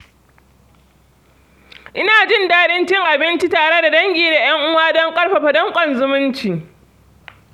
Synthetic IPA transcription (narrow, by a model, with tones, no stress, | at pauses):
ʔɪ˦naː˨d͡ʒɪ˦ndaː˦ɗɪ˦nt͡ʃɪ˦ŋʔa˨bɪ˦nt͡ʃi˦taː˨ɽe˦da˨dɐ˦ŋɡʲiː˨da˨j̰ɐ˦ŋʔʊ˦waː˦dɔ˦ŋkʼɐ˦ɽɸa˨ɸa˨dɔ˦ŋkʷʼɔ˦nzʊ˦mʊ˦nt͡ʃiː˨